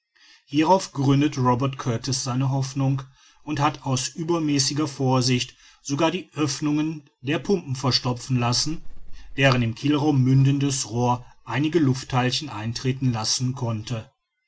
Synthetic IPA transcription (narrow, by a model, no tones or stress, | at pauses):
hiːʁaʊfɡ̥ʁʏndətʁɔbɛɐtkʰœɐtʰɪsz̥aɪnəɦɔfnʊŋk | ʔʊnthataʊsʔyːbɐmɛːsɪɡɐfoːɐzɪçt | z̥oɡaːɐdiːʔœfnʊŋən | deːɐpʰʊmpm̩fɛɐʃtɔp͡fn̩lasn̩d̥eːʁənɪmkʰɪlʁaʊmːʏndəndəsʁoːɐʔaɪnɪɡəlʊftʰːalçn̩ʔaɪntʁ̥eːtn̩lasn̩kʰɔntə